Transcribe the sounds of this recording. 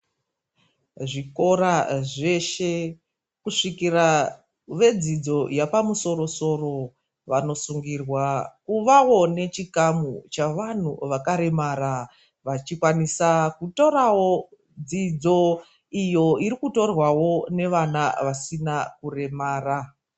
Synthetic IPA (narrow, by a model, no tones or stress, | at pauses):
ʐiko̞ɾaʐe̞ʃe̞ | kuʂikira | ʋe̞d͡zid͡zo̞japamuso̞ɾo̞so̞ro̞ | ʋano̞suŋɡirwakuʋawo̞ne̞t͡ʃikamut͡ʃaʋan̤uʋakaɾe̞maːɾa | ʋat͡ʃikwanisakuto̞ɾawo̞ | d͡zid͡zo̞ | ijo̞iɾikuto̞rwawo̞ne̞ʋanaʋasinakure̞maːra